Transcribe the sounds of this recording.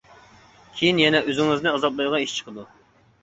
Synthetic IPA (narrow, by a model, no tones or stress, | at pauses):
kʲʰejinjɛnɛøzɪŋɨznɨɑzɑblˠɑd̪ʁɑiʃt͡ʃʰə̥qʰəd̪u